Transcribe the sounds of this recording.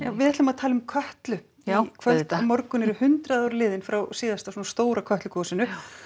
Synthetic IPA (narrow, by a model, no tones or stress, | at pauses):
jaːwvɪðɛt̪lʏmaðt̪ʰaːlʏmkʰœht̪lʏ | ikʰvœmɔɾkʏnɛɾʏhʏnt̪ɾaðawɾlɪːðɪnfɾawsiːðast̪asɔnast̪oːwɾakʰœht̪lʏkʰɔːsɪnʏ